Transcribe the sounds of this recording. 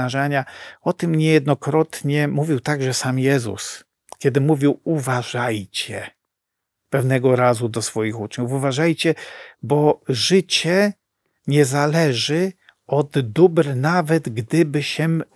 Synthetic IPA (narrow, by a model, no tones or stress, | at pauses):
aʐaɲaɔt̪ɘmɲɛjɛd̪nɔkɾɔt̪ɲɛmuvʲiwt̪aɡʐɛsamjɛzṵs | kʲjɛd̪ɘmuvʲiwuvaʐajt͡ɕɛ | pɛvnɛɡɔɾazud̪ɔsfɔjixut͡ʂɲuvuvaʐajt͡ɕɛbɔʐɘt͡ɕɛ | ɲɛzalɛʐɘ | ɔd̪ːubɾnavɛd̪ɡd̪ɘbɘɕɛ